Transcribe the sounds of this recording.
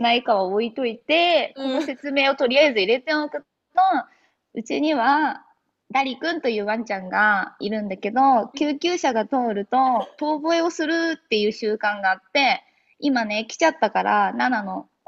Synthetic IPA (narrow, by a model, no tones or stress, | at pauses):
naikaβaoit̪o̞it̪e̞ko̞nose̞t͡sɨme̞ːo̞t̪o̞ɾʲijaezɨiɾe̞t̪e̞okɯ̟ | no | ɯ̟t͡ɕiɲ̟iβ̞a | d̪aɾʲikɯ̟̃nt̪o̞jɯ̟ːβãɲt͡ɕãŋɡaiɾɯ̟̃nd̪ake̞d̪o̞kʲɨːkʲɨːɕaɡat̪o̞ːɾɯ̟t̪o̞t̪o̞ːboeo̞sɨɾɯ̟t̪ːe̞jɯ̟ːɕɨːkãŋɡaːt̪ːe̞ | imane̞kʲi̥t͡ɕat̪ːakaɾananano̞